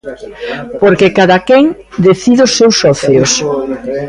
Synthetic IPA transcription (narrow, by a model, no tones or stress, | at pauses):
poɾkekaðakeŋ | d̪eθiðʊsːewsːɔθjos